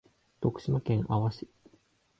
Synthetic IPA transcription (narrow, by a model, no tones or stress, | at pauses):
t̪o̞kɯ̟̥ɕimakẽ̞ŋʔaβaɕi̥